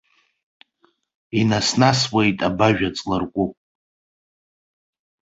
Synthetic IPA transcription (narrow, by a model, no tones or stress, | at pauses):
inasnaswejtʼabaʒᶣat͡sʼlɨrkʷʼupʼ